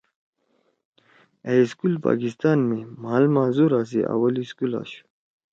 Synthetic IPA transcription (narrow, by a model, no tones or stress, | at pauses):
eiskulpa̰ːkist̪aːnmimaːlmaːzuɾaːs̬ia̰wɐliskula̰ːɕu̥